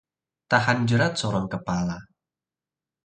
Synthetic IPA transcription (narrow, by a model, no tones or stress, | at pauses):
t̪ahand͡ʒəɾat̪̚sɔɾɔŋkəpala